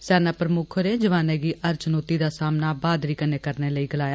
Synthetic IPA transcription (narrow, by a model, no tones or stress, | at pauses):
sɛːnaːpɾəmʊkʰoɾeːd͡ʒəʋaːneːɡiːʔəɾt͡ʃnoːt̪iːd̪aːsaːmnaːbaːd̪ɾiːkəneːkəɾneːləiːɡəlaːjaː